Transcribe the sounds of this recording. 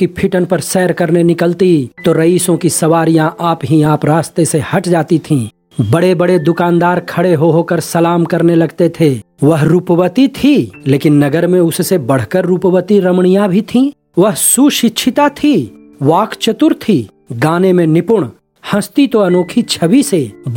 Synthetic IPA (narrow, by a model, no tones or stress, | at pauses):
kipʰɪʈənpɐɾsɛːɾkɐɾnenɪkəlt̪it̪oɾɐiːsõkisɐʋaːɾijãʔaːpɦiaːpɾaːst̪esehɐʈd͡ʒaːt̪it̪ʰĩː | bɐɽebɐɽed̪ʊkãːnd̪aːɾkʰɐɽeɦoɦokəɾsɐlaːmkɐɾnelɐɡt̪et̪ʰeː | ʋɐɦɾuːpəʋət̪it̪ʰileːkɪnːɐɡəɾmẽʊssebɐɽ̤kəɾːuːpəwət̪iɾɐmɳ̃ijãbʱit̪ʰĩ | ʋɐɦsuʃɪtːʃʰɪt̪at̪ʰi | ʋaːkʰt͡ʃət̪ʊɾt̪ʰiː | ɡaːnemẽnɪpʊɽ̃ | hɐ̃st̪it̪oɐnoːkʰit͡ʃʰɐʋiseb